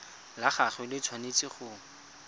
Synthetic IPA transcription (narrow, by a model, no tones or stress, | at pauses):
laχaχɛlɪt͡sʰwanet͡sʼɪχʊː